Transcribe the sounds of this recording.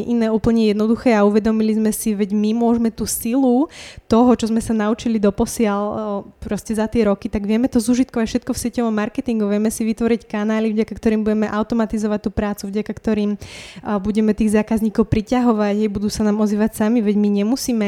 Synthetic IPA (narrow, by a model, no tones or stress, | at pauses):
ʔinɛːuːpl̩ɲɛjɛd̪nɔd̪uxɛːauʋɛd̪ɔmilizmɛsiʋɛɟmimʊɔʒmɛt̪uːsilut̪ɔɦɔt͡ʃɔzmɛsanaut͡ʃilid̪ɔpɔsɪalpɾɔscɛzat̪ɪɛɾɔkit̪aɡʋɪɛmɛt̪ɔzuːʒit̪̚kɔʋacfʃɛt̪̚kɔfsɪɛcɔʋɔmːaɾkɛt̪iŋɡuʋɪɛmɛsiʋit̪ʋɔɾickanaːlivɟakakt̪ɔɾiːmbuɟɛmɛʔaʊt̪ɔmat̪izɔʋac̚t̪uːpɾaːt͡suvɟakakt̪ɔɾiːmbuɟɛmɛt̪iːɣzaːkazɲiːkɔʊpɾicaɦɔʋaɟajbud̪uːsanaːmɔziːʋacsamiʋɛɟmiɲɛmusiːmɛ